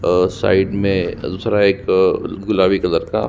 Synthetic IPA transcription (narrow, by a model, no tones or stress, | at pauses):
sa̰ːɪɖmẽd̪uːsɾaeːkɡʊlaːbikɐd̪əɾka̰ː